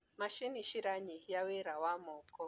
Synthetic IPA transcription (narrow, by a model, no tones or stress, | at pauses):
maʃiniʃiɾaɲijawɛɾawamɔkɔ